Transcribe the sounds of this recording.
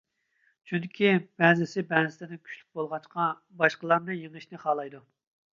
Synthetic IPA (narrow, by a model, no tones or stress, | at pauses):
t͡ʃʰyd̪ɪkʲʰibɛzɪsɪbɛzɪslɪd̪ɪnkʲʰy̥ʃʲly̥k̚ʲbolˠʁɑt͡ʃqʰɑ | bɑʃqəlˠɑɾnɨjeŋɨʃnɪχɑːlˠɑjd̪u